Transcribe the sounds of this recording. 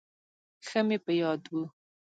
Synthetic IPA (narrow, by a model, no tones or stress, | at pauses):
xəmepəjɑd̪wu